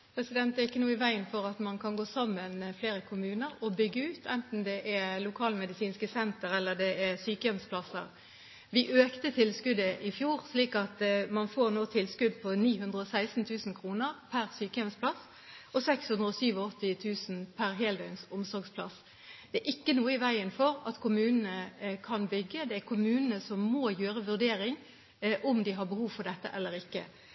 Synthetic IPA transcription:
pʰɾɛsɪd̪ɛnt̪ɛʁɪkːənuːɪʋæɪənfɔɾɑt̪mɑnkʰɑnɡoːsɑmːənfleːɾəkʰʊmʉːnəɾɔbʏɡːəʉːt̪ʰɛnt̪n̩d̪ɛʔɛlʊkʰɑːlmɛd̪ɪsiːnskəsɛnt̪əɾɛlːəd̪ɛʔɛsyːkəjɛmspʰlɑsə̰ʁ | ʋɪʔøːkt̪ət̪ʰɪlskʉd̪əʔɪfjuːʁsliːkɑt̪mɑnfoːʁnoːt̪ʰɪlskʉd̪pʰɔniːhʉnd̪ʁəɔsæɪsn̩t̪ʰʉːsn̩kʰʁuːnəʁpʰæʁsyːkəjɛmsplɑs | ɔsɛkshʉnd̪ʁəɔsyːʋɔɔt̪ːɪt̪ʰʉːsnpʰæʁɦeːld̪œʏnsʊmsɔɾɡspʰlɑ̰s | d̪̥ɛæɾʔɪkːənuːəɪʋæɪənfɔʁɑt̪kʰʊmʉːnən̩əkʰɑnbʏɡːəd̪ɛæɾkʰʊmʉːnənəsɔmːojøːʁəʋʉʁd̪eːɾɪŋ | ʔʊmd̪ɪɦɑɾbəhuːʋfɔd̪ɛt̪ːəʔɛlːəɾɪkːə̰

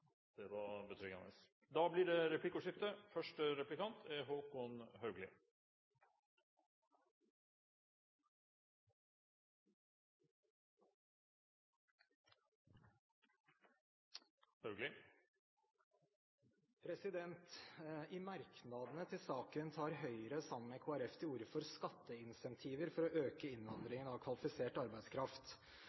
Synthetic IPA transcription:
d̪̥ɛʋɑɾbət̪ʰɾʏkːɑ̰nə̰s | d̪ɑːblɪɖɛɾɛpʰlɪkːʊʂɪft̪əfœʂʈəɾɛplɪkɑnt̪ʰɛɦoːkɔnhœʉɡlɪ̰ | ɡlɪ | pʰɾɛsɪd̪ɛnt̪ɪmɑɾknɑd̪ənət̪ʰɪlsɑːkənt̪ʰɑːɾɦœʏəɾəsɑməmmekʰoːæɾɛft̪ʰɪuɾfɔɾskɑt̪ʰːəɪnsɛnt̪ʰiːʋəɾfɔɾɔʔøːkəɪnʋɑnd̪ɾɪŋənɑʋkʰʋɑlɪfɪseːʈɑɾbæɪd̪skʰɾɑft̪

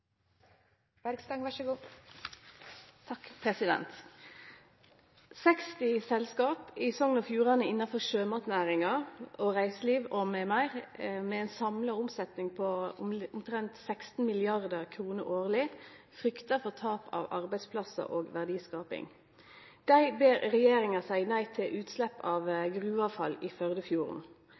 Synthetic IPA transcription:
æɾɡst̪ɑŋʋæəɡuː | t̪ʰɑkpʰɾɛsɪd̪ɛ̰nt̪ | sɛkst̪ɪsɛlskɑːpɪsɔŋənoːfjuːʁɑnəɪnːɑfɔʁʃøːmɑt̪næːʁɪŋɑoːʁæɪsəliːʋomɛmæɪʁmɛɛɪnsɑmləʊmsɛt̪nɪŋpʰɔʊʊmt̪ʰɾɛnt̪sɛkst̪n̩mɪlɪɑʁd̪əʁkʰʁuːnəɾoːʁlɪ | fʁʏkt̪əfɔʁt̪ʰɑːpʰɑ̰ːʋɑ̰ʁbæɪspʰlɑsə̰ʔoːɡʋæʁd̪iːskɑːpɪ̰ŋ | d̪̥æɪbeːɾʁɛjeːɾɪŋɑsæɪnæɪt̪ʰɪlʔʉːt̪slɛpːɑːʋɡʁʉːɑːʋfɑlifœʁd̪əfjuːʁə̰n

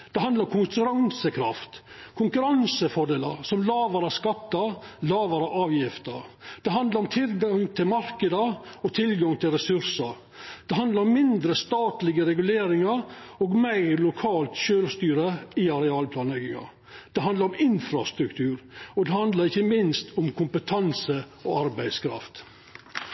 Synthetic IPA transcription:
d̪̥ɛɦɑnd̪ɑɾɔmkʰʊŋkʉɾɑŋsəkʰɾɑ̰ft̪kʰʊŋkʉɾɑnsəfɔɖeːləɾsɔmlɑːʋɑɾæskɑt̪ːɑlɑːʋɑɾəʔɑːʋjɪft̪əɾd̪̥ɛɦɑnd̪lɑɾɔmt̪ʰɪlɡɑŋt̪ʰɪlmɑɾkəd̪əɔt̪ʰɪlɡɑŋt̪ʰɪlɾɛsʉɾsəɾ | d̪̥ɛɦɑnd̪lɑɾɔmːɪnd̪ɾəst̪ɑːt̪lɪɡəɾɛɡʉleːɾɪŋɑɾoːɡmæɪɾlʊkʰɑːlt̪ʃøːlst̪yːɾəiɑɾɛɑːlpʰlɑːnɛɡɪŋɑ̰ | d̪̥ɛɦɑnd̪ɑɾɔmɪnfɾɑst̪ɾʉkt̪ʰʉːɾɔd̪ɛhɑnd̪lɑɾɪçəmɪnst̪ʰʊmkʰʊmpət̪ʰɑnsəoɑɾbæɪd̪skʰɾɑ̰ft̪

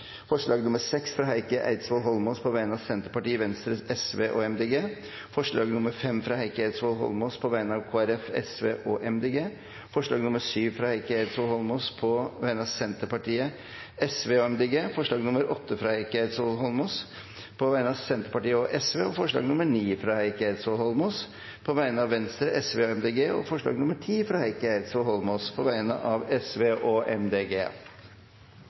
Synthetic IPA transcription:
fɔʂɭɑːɡnʊməɾsɛksfɾɑːɦæɪkəʔæ̰ɪd̪sʋɔlɦɔlmoːspʰɔʋæɪənɑʋsɛnt̪əɾpɑʈiːəʋɛnst̪ɾəɛsʋḛːʔɔɛmd̪eːɡeː | fɔʂɭɑːɡnʊməɾfɛmfɾɑːhæɪkəæɪd̪sʋɔlɦɔ̰lmɔːspʰɔʋæɪənɑʋkʰoːæɾɛfɛ̰sʋeːʔɔʔɛmd̪eːɡeː | fɔʂɭɑːɡnʊməʂyːʋfɾɑːhæɪkəæɪd̪sʋɔlhɔlmospʰɔʋæɪənɑsɛnt̪əpɑʈiːə | ɛsʋeːɔɛmd̪eːɡeːfɔʂɭɑːɡnʊməɾʔɔt̪ːəfɾɑːhæɪkəhet̪sɔhɔlmos | pʰɔʋæɪnəɑsɛnt̪əɾpɑʈiːəɔʔɛsʋeːɔfɔʂɭɑ̰ːɡnʊməɳiːfɾɑːhæɪkəet̪sɔlhɔlmos | pʰɔʋæɪnəɑʋːɛnst̪ɾəʔɛsʋeːɔɛmd̪eːɡeːɔ̰fɔʂɭɑ̰ːɡnʊməʈʰiːfɾɑːhæɪkəeɪt̪sohɔlmoːspʰɔʋæɪnə̰ʔɑʋɛsʋeːʔɔɛmd̪eːɡḛː

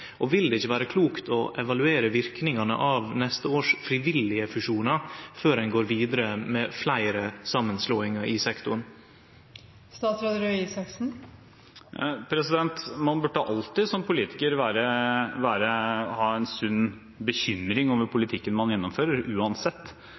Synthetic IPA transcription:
ʔɔʋɪld̪ɛɪçːəʋæːɾəkʰluːkt̪ʰɔʔɛʋɑlʉeːɾəʋɪɾknɪŋɑnə̰ʔɑʋnɛst̪əoːʂfɾɪʋɪlɪəfʉʂuːnɑføːɾɛnɡoːɾʋiːd̪əɾəmɛːflæɪɾəsɑmːənsloːɪŋɑʔɪsɛkt̪ʊɳ | st̪ɑːt̪sɾɑd̪ɾøɪsɑksn̩ | pʰɾɛsɪd̪ɛnt̪mɑnbʉʈːəʔɑlt̪ɪsɔmpʰʊliːt̪ɪkəɾʋæːɾəʋæːɾəhɑːɛnsʉnː | bəçʏmɾɪŋɔmʋəpʰʊlɪt̪ʰɪkːənmɑnjɛnːɔmføːɾəɾʉːɑnsɛt̪ː

